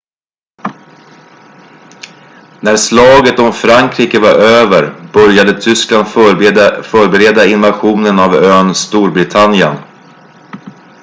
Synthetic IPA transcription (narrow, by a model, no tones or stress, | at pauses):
næɾslɑːɡət̪ɔmfɾaŋkʰɾiːkəvaɾʔøːvəɾbœɾjad̪ət̪ʰʏskland̪ | fœːɾbɛɾeːd̪aɪnvaɧuːnənavøːnst̪uːɾbɾɪt̪ʰanjən